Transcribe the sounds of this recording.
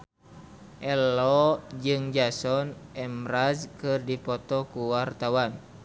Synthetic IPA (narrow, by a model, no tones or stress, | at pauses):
ʔɛlɔd͡ʒɨŋd͡ʒasɔnɛmɾazkɨrdipɔt̪ɔkuwart̪awan